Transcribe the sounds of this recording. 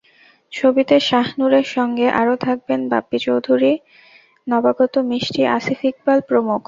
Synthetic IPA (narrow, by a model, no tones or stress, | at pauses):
t͡ɕʰobit̪eʃaɦnuɾeɾʃɔŋɡeʔaɾot̪ʰak̚benba̰pːit͡ɕowd̪ʱuɾi | nɔbaɡɔt̪omiʃʈiʔa̰sifʰik̚balpɾomuk